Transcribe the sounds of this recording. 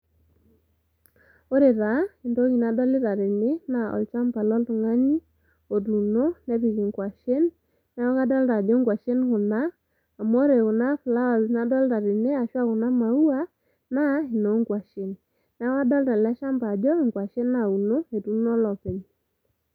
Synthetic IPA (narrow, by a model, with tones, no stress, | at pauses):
o˦ɾe˨ɾa˨˦ɪ˨ndo˦ki˨na˨˦dɔ˦lɪ˦ta˨ɾɪ˨ne˦na˦˨ɔ̰˨lt͡ʃa˦mba˨lɔ˦ltʊ˨ŋa˦ɲi˦ | o˨tu˨no˦nɛ˦pi˨ki˨ŋkwa˨ʃe˦nː | ɛ˦ɔ˦ka˦dɔ˦lta˨d͡ʒɔ˦ŋɡwa˨ʃe˦nkʊ˨naː˦˨ | mo˦ɾe˨kʊ˨na˦fla˦a˨na˦dɔ˦lta˨ɾɪ˨ne˦a˨ʃwa˦kʊ˨na˦ma˨u˦a˦ | na˦ɪ˨no˨˦ŋɡwa˨ʃe˨nː | ɛ˦wa˦dɔ˦lta˨lɛ˦ʃa˦mba˨d͡ʒɔ˦ɪ˨ŋɡwa˨ʃe˦na˨u˨no˦e˨tu˦nɔ˦lɔ˨pe˨ɲ